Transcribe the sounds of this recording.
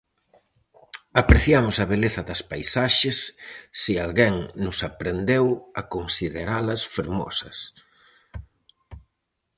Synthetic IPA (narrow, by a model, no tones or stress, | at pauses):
apɾeθjamʊsɐβeleθɐðɐspajsaʃesːialɣɛŋnʊsapɾend̪ewɐkonsiðeɾalɐsfeɾmɔ̰sɐs